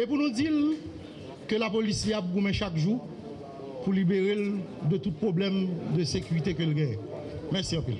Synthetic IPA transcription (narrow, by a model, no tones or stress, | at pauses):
epunũd͡zil | kølapolisliap̚ɡumɛ̃ʃakʒu | pulibeʁeld̪ət̪ut̪̚pʁoblɛmd̪əsekyʁit̪ekəlɡɛemɛʁsiɑ̃pḭl